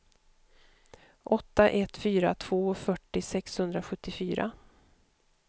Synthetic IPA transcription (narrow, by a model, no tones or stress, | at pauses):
ʔɔt̪ːaʔɛt̪ːfyːɾa̰t̪ʰv̥oːfœʈːɪsɛkshɵnd̪ɾaɧɵt̪ːɪfyːɾʔa̰